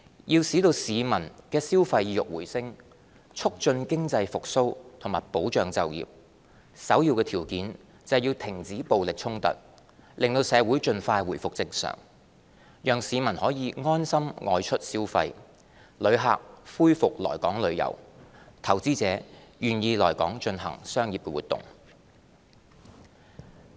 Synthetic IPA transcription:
jiː˧wsiː˨˥t̪o˧wsiː˨˧mɐ˨˩nkɛː˧siː˥wfɐ˧jiː˨˧jʊ˨k̚wuː˨˩jsɪ˥ŋ | t͡ʃʰʊ˥k̚t͡ʃɵ˧nkɪ˥ŋt͡sɐ˧jfʊ˨k̚so˥wt̪ʰʊ˨˩maː˨˩jpo˨˥wt͡ʃœː˨ŋt͡sɐ˨wjḭː˨p̚ | sɐ˨˥wjiː˧wkɛː˧t̪ʰiː˨˩wkiː˨˥n | t͡sɐ˨wjiː˧wt̪ʰɪ˨˩ŋt͡siː˨˥po˨wlɪ˨k̚t͡sʰʊ˥ŋt̪ɐ̰˨t̚ | lʔɪ˨ŋt̪o˧wsɛː˨˧wuː˨˥jt͡ʃɵ˧nfaː˧jwuː˨˩jfʊ˨k̚t͡sɪ˧ŋsœ̰ː˨˩ŋ | jœː˨ŋsiː˨˧mɐ˨˩nhɔː˨˥jiː˨˧ŋɔː˥nsɐ˥mŋʔɔː˧jt͡ʃʰɵ˥t̚siː˥wfɐ˧j | lɵ˨˧ɥɦa̰ː˨k̚fuː˥jfʊ˨k̚lɔ̰ː˨˩jkɔː˨˥ŋlɵ˨˧ɥjɐ̰˨˩wt̪ʰɐ˨˩wt͡siː˥t͡sɛː˨˧˥jyː˨njiː˧lɔː˨˩jkɔː˨˥ŋt͡ʃɵ˧nɦɐ̰˨˩ŋsœː˥ŋjiː˨p̚kɛ˧wuː˨˩t̪ːʊ̰˨ŋ

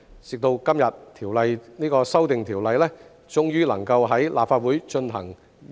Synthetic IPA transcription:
t͡sɪ˨k̚t̪o˧wkɐ˥mjɐ˨t̚t̪ʰiː˨˩wlɐ˨˧jniː˥kɔː˧sɐ˥wt̪ɪ˨ŋt̪ʰiː˨˩wlɐ˨˧jlɛː˥ | t͡sʊ˥ŋjyː˥lɐ˨˩ŋkɐ˧wɦɐ˨˥jlʔa̰ː˨pfaː˧t̚wuː˨˥jt͡ʃɵ˧nɦɐ̰˨˩ŋ

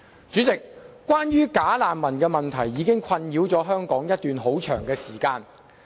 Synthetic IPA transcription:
t͡ʃyː˨˥t͡sɪ˨k̚kːʷaː˥njyː˥kaː˨˥laː˨nmɐ˨˩nkɛː˧mɐ˨nt̪ʰɐ˨˩jːiː˨˧˥kɪ˥ŋkʷʰɐ˧njiː˨˥wt͡sɔː˨˥ɦœː˥ŋkɔː˨˥ŋjɐ˥t̚t̪yː˨˧nɦo˨˥wt͡ʃʰœ̰ː˨˩ŋkɛː˧siː˨˩kaː˧n

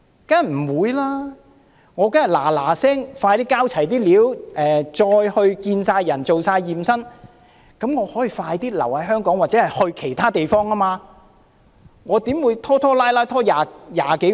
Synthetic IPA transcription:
ka˥jm̩˨˩wuː˨˧jlaː˥ | ŋɔː˨˧kɐ˥ŋjɐ˨˩la̰ː˨˩laː˨˩sɛː˥ŋfaː˧jt̪iː˥kaː˥wt͡sʰɐ˨˩jt̪iː˥liː˨˥wʔɛː˨t͡ʃɔː˧jhɵ˧ɥkiː˧nsaː˧jːɐ˨˩nt͡so˨wsaː˧jːiː˨msɐ˥n | kɐ˨˥mŋɔː˨˧hɔː˨˥jiː˨˧faː˧jt̪iː˥lɐ̰˨˩whɐ˨˥jɦœː˥ŋkɔː˨˥ŋwaː˨˩t͡sɛ˨˥hɐ˨jhɵ˧ɥkʰe˨˩jt̪ʰaː˥t̪e˨jfɔː˥ŋɐː˥maː˧ | ŋɔː˨˧t̪iː˨˥mwuː˨˧jt̪ʰɔː˥t̪ʰɔː˥laː˥jlaː˥jt̪ʰɔː˥jaː˨˧jaː˨ke˨˥

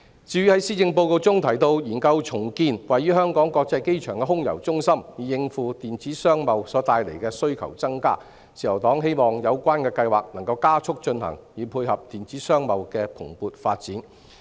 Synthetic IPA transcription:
t͡siː˧ɥyː˥hɐ˨˥jsiː˥t͡sɪ˧ŋpo˧wt̪o˧wt͡sʊ˥ŋt̪ʰɐ˨˩jt̪o˧wjiː˨˩nkɐ˧wt͡ʃʰʊ˨˩ŋkiː˧nwɐ˨jːyː˥hœː˥ŋkɔː˨˥ŋkɔː˧k̚t͡sɐ˧jke˥jt͡ʃʰœ̰ː˨˩ŋkɛ˧ɦʊ˥ŋjɐ̰˨˩wt͡sʊ˥ŋsɐ˥mjiː˨˩jɪ˧ŋfuː˨˧t̪iː˨nt͡siː˨˥sœː˥ŋmɐ˨˧wsɔː˨˥t̪aː˧jle˨˩jkɛː˧sɵ˥ɥkʰɐ̰˨˩wt͡sɐ˥ŋka̰ː˥ | sʰiː˨˩jɐ˨˩wt̪ɔː˨˥ŋɦe˥jmɔː˨˩ŋjɐ˨˧wkʷaː˥nkɛː˧kɐ˧jwaː˨k̚nɐ˨˩ŋkɐ˧wkaː˥t͡ʃʰʊ˥k̚t͡ʃɵ˧nhɐ̰˨˩ŋjiː˨˧pʰuː˧jhɐ˨p̚t̪iː˨nt͡siː˨˥sœː˥ŋmɐ˨wkɛː˧pʰʊ̰˨˩ŋpuː˨t̚faː˧t̚t͡siː˨˥n

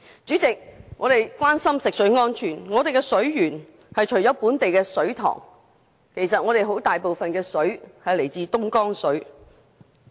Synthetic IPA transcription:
t͡syː˨˥t͡sɪ˨k̚ŋɔː˨˧t̪e˨jkwaː˥nsɐ˥msɪ˨k̚sɵ˨˥ɥŋɔː˥nt͡ʃʰyː˨˩nŋɔː˨˧d̪e˨jkɛ˧sɵ˨˥ɥjyː˨˩n | hɐ˨jt͡ʃʰɵ˨˩ɥjɔː˨˥wpuː˨˥nt̪e˨jkɛː˧sɵ˨˥ɥt̪ʰɔ̰ː˨˩ŋ | kʰe˨˩jsɐ˨t̚ŋɔː˨˧ɾe˨jɦo˨˥wt̪aː˨jpo˨wfɐ˨nkɛː˧sɵ˨˥ɥhɐ˨jle˨˩jt͡siː˨˧t̪ʊ˥ŋkɔː˥ŋsɵ˨˥ɥ

